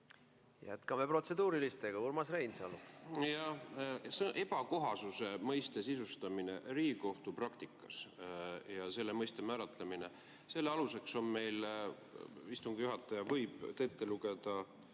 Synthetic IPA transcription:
jæ̰t̪kɑme̞pro̞t̪se̞d̪uːɾilist̪e̞ɡ̥ɑurmɑsrejnsɑ̰ljɑsʔe̞b̥ɑko̞ɦɑsuse̞mɤjst̪e̞sisust̪ɑminḛriːko̞ht̪uprɑkt̪ikːˑɑs | jɑse̞lːemɤjst̪e̞mæːɾɑt̪ˑlemine̞ | se̞lːeɑluse̞kso̞nme̞jl | ist̪uŋɡ̥ijuɦɑt̪ːˑɑjɑvɤjb̥t̪e̞t̪ːeluɡe̞d̪̥ɑ

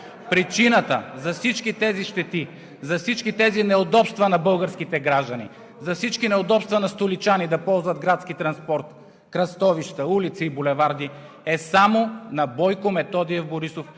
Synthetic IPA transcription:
pɾit͡ʃinət̪əzɐfsit͡ʃkit̪ɛziʃt̪ɛt̪i | zɐfsit͡ʃkit̪ɛzinɛod̪ɔpst̪vɐnɐbɤlˠɡəɾskit̪ɛɡɾaʒd̪ɐnḭ | zɐfsit͡ʃkinɛod̪ɔpst̪vɐnɐst̪olit͡ʃanid̪ɐpɔlˠzvɐd̪ɡɾat̪skit̪ɾɐnspɔɾt̪ | kɾɐst̪ɔviʃt̪əulit̪siːbʊlɛvaɾd̪i | ɛsamonɐbɔjkomɛt̪ɔd̪iɛvboɾisof

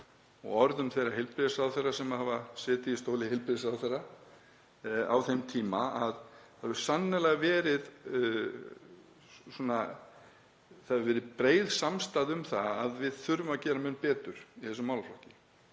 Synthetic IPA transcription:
ɔ̰ɣɔɾðʏmθejraɦɪlpɾɪsaðwθejrːasɛmaðhavasɛːt̪ɪist̪owlɪhɪlpɾɪsaθerːa | a̰wθejmt̪ʰiːmaaðθaðvʏɾ̥sanːɪlaɣvɛːɾɪð | sɔːna | θaðvɛːɾɪpɾeːjðsamst̪aðʏmθaaðvɪðθʏɾvʏmacɛːɾamɪnpɛːt̪ʏɾ̥iθɛs̬ʏmawlflawhcɪ

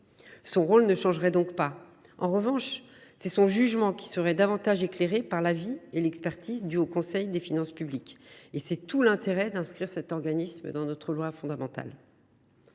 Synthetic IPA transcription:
sɔ̃ʁolnəʃɑ̃ʒʁɛd̪ɔ̃kpa | ɑ̃ʁəvɑ̃ʃ | sɛsɔ̃ʒyʒmɑ̃kʲi̥səʁɛd̪avɑ̃t̪aʒekleʁepaʁlavielɛkspɛʁt̪ʰizd̪yokɔ̃sɛjd̪efinɑ̃spyblikesɛt̪ulɛ̃t̪eʁɛd̪ɛ̃skχiʁsɛt̪ɔʁɡanismə̰d̪ɑ̃nɔt̪χəlwafɔ̃d̪amɑ̃t̪a̰l

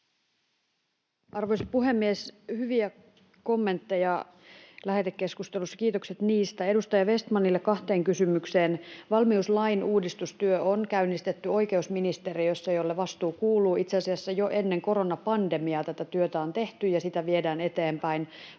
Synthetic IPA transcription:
ʔɑrʋo̞jsɑ̥puɦe̞mːieshyʋiæ | ko̞mːe̞nt̪ːejɑ | læɦet̪ekːe̞skust̪elusːɑ̥kiːt̪o̞kse̞t̪niːst̪æe̞dust̪ɑjɑʋe̞st̪mɑnːilːekɑht̪e̞ːŋkysymykse̞ːnʋɑlmiuslɑjnuːdist̪ust̪yøʔonkæynːist̪et̪ːyo̞jke̞usminist̪e̞ɾijosːɑjolːeʋɑst̪uːkuːlˑuːʔit̪seɑsiɑsːɑjoʔe̞nːe̞ŋko̞ɾo̞nɑpɑnde̞miɑt̪æt̪æt̪yøt̪æont̪e̞ht̪yjɑsit̪æʋie̞dæːne̞t̪e̞ːmpæin

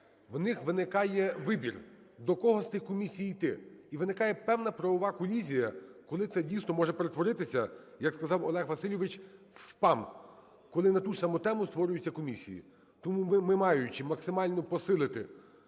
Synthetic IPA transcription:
ʋnɪxʋɪnɪkɑjɛʋɪbʲir | d̪ɔkɔɦɔst̪ɪxkɔmʲisʲijijt̪ɪiʋɪnɪkɑjɛpɛwnɐpɾɔʋɔʋɑkɔlʲizʲijɐkɔlˠɪt̪sɛdʲijsnɔmɔʒɛpeɾet̪ʋɔɾɪt̪ɪsʲɐjɐkskɐzɑwɔlˠɛxʋɐsɪlʲjɔʋɪt͡ʃ | pɑm | kɔlˠɪnɐt̪uʃsɑmɔt̪ɛmʊst̪ʋɔɾʲʊjʊt͡sʲːɐkɔmʲisʲḭjḭ | t̪ɔmumɪmɪmɑjʊt͡ʃɪmɐksɪmɑlʲnɔpɔsɪlˠɪt̪ɪ̰

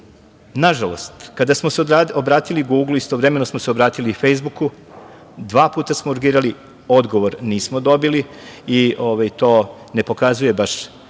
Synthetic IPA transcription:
naʒalo̞̰st̪kad̪asmoseobɾaːt̪iliɡuɡlˠuist̪oʋɾeme̞nosmoseobɾaːt̪ilife̞jzbuku | d̪ʋaːpuːt̪asmouɾɡiːɾali | o̞d̪ɡo̞ʋo̞ɾniːsmod̪o̞bili | iʔoʋajt̪o̞ː | ne̞po̞kazuje̞baʃ

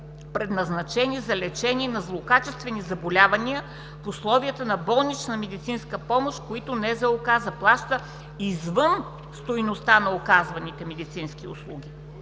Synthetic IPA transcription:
pɾɛd̪nɐznɐt͡ʃɛnizɐlɛt͡ʃɛniɛnɐzlˠokat͡ʃɛst̪vɛnizɐbolʲavɐniə | fʊslˠɔvijət̪ənɐbɔlˠnit͡ʃnɐmɛd̪it̪sinskəpɔmoʃkoit̪ʊnɛzɛokazɐplˠaʃt̪ə | izvɤn | st̪ojnost̪anɐokazvɐnit̪ɛmɛd̪it̪sinskiʊ̰slˠuɡʲi

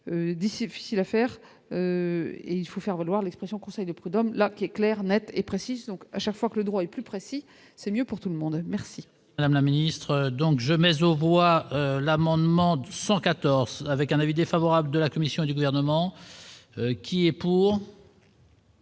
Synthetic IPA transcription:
ød̪isfi̥silafɛːʁ | øḛilfofɛʁvalwaʁlɛkspχesjɔ̃kɔ̃sɛjd̪əpχyd̪ɔmlakʲiɛklɛʁnɛt̪epχesizd̪ɔ̃kaʃakfwakələd̪ʁwaɛplypχesi | sɛmjøpuʁt̪uləmɔ̃d̪mɛʁsi | d̪amlaminist̪χd̪ɔ̃kʒəmɛzovwaølamɑ̃d̪mɑ̃d̪əsɑ̃kat̪ɔʁzavɛkɛ̃navid̪efavɔʁabləd̪əlakɔmisjɔ̃ed̪yɡuvɛʁnəmɑ̃ | kʲʰiɛpuːʁ

